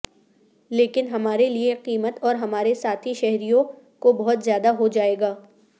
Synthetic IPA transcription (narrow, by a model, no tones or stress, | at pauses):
leːkɪnɦɐmaːɾelieqiːmət̪ɔːɾɦɐmaːɾesaːt̪ʰɦiʃɛɦɾijõ | kobɐɦʊt̪zjaːd̪aɦod͡ʒaːeːɡaː